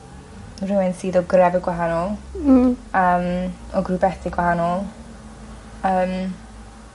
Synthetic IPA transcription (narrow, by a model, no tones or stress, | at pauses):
rɪwɪnsiːðɔɡɾɛvɛɡwaɦanɔlˠ | əːmɔɡrubɛθiɡwahanɔlˠ | əːm